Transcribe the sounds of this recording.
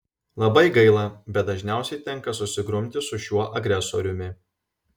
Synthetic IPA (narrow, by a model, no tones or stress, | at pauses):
lˠɐbɐɪɡɐɪlˠɐbʲɛt̪̚d̪ɐʒʲnʲæˑʊsʲɛɪt̪ʲɛŋˑkɐsʊsʲɪɡɾʊmʲt̪ʲɪsʊʃʲuɔʔɐɡɾʲɛso̰ɾʲʊmʲɪ